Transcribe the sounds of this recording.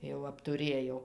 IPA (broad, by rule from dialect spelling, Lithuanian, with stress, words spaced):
jɛʊ ɐptʊˈrʲeːjɛʊ